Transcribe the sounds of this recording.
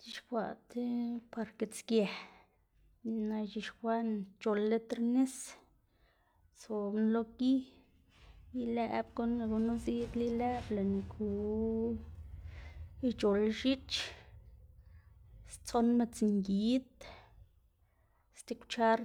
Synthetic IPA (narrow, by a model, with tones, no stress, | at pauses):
t͡ʃi˧ʃkʷa˧˨ʔt̪epa˧ɾke˧t͡skje˨ | ni˧na˧ʃi˧ʃxʷa˦nt͡ʃo˧lːe˦t̪ɾne˦s | t͡so˨nlo˦ɡi˦ | li˦le˦ʔbko˦n˧ɡu˧nu˦zi˦ʔt̪li˦le˦ble˨ni˧kʰu˨ | i˧t͡ʃo˨lʃi˦t͡ʃ | st͡so˦nme˧t͡sŋɡi˨˦t̪ | st̪i˧kʷt͡ʃa˦ɾ